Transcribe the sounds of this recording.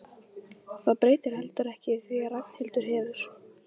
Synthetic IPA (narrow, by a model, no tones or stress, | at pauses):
θaðpɾeːjt̪ɪɾ̥hɛlt̪ʏɾɛhcɪθviaɾak̚n̥hɪlt̪ʏɾ̥ɦɛːvʏɾ̥